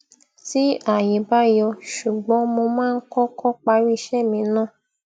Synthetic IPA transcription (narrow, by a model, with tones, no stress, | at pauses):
ti˨˦a˦˨je˨ba˦jɔ˧ʃu˨ɡ͡bɔ˨˦mo˧mãː˦˧n̩˦kɔ˦kɔ˦k͡pa˧ɾi˦˧ʃɛ˦˨mĩ˧nãː˦˨